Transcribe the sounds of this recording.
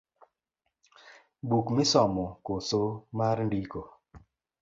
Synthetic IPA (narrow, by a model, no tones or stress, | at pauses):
bukmɪsɔmɔkosomaɾndiko